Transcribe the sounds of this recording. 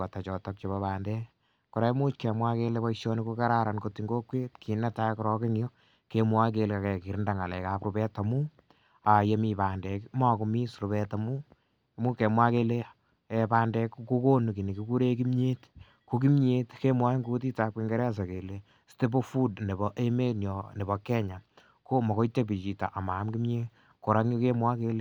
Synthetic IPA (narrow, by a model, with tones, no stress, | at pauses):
a˨ta˨t͡ʃɔ˨tak̚t͡ʃebapaːndɛ˦ | kɔ˨ɾa˦mu˦t͡ʃke˨mwa˦kelepa˦iʃɔ˦nikuka˦ɾa˦ɾa˨nkoti˨ŋɡo˦kwe˦tkʰi˨na˦ta˦kɔɾɔ˦ke˦ŋjo˦ | kemwa˦k̬e˨leka˨kɛ˨ki˨ɾnda˨ŋa˨lɛ˨kapɾu˨bɛ˦ta˨mu˦ | a˨je˦mi˨paː˨ndɛkma˦ku˨mi˦sɾu˨bɛta˨mu˦ | mu˦ke˨mwa˦kele | ɛ˨paː˦ndɛ˦kku˦ko˦nu˨ki˨ni˨ki˦ku˦ɾe˦ki˦mɲe˦t | ko˦ki˦mɲe˦tke˦mwa˦ŋɡu˦t̬i˦ta˦ke˧ŋɡe˦ɾɛ˦a˦s̬a˨ke˨le˨ | ste˦bo˦fu˦dne˨bɔ˦ʔe˦me˦njɔ˨ne˨bɔ˨kɛ˦ɲa˨ | ko˦mɔ˨ko˦ite˦p̬i˨t͡ʃi˨ta̰˨ʔa˨ma˨˦mki˦mɲe˦ | ko˨ɾa˦ŋjo˦ke˦mwa˦ke˧le˦